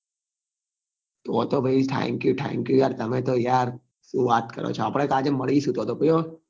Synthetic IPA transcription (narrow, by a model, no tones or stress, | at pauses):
t̪oːt̪oːbʱeit̪ʰɛ̰̃ːŋkjuːʈʰɛ̰̃ːŋkjujaːɾt̪ɐmẽːt̪oːjaːɾ | suːʋaːt̪kə̰ɾo̰ːt͡ʃʰaːpɽekaːd͡ʒemɐɽisuːt̪oːt̪oːpəjoː